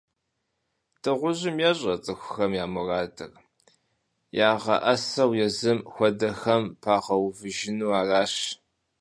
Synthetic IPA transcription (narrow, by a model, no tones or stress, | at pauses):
tʰʼɨʁʷʊʑɪmjaɕʼɐt͡sʼɨxʷʊxɐmjaːmʊraːdɨ̰r | jaːʁɐ̰ʔɐsɐwjɛzɨmxʷɔdɐxɐmpʰaːʁɐwvɨʒɪnuːaːraːɕ